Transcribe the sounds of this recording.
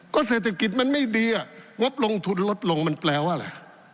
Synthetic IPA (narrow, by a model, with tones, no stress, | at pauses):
kɔː˥˩seː˨˩t̪̚ʰa˧˩ki˨˩t̪̚ma˧nma˥˩jdiː˧ʔa˨˩ŋo˦˥p̚lo˧ŋt̪ʰu˧nlo˦˥t̪̚lo˧ŋma˧nplɛː˧wʔa˧˩la̰˨˩